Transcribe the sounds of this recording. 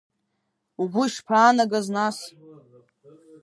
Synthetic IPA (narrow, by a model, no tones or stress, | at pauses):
ubʷuiʂpʰaːnaɡaznas